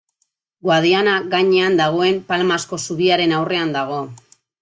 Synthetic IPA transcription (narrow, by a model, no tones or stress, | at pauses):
ɡwað̞ianaɣaɲe̞and̪aɣ̞o̞e̞mpalmasko̞suɣiaɾe̞nawre̞and̪aɣ̞o̞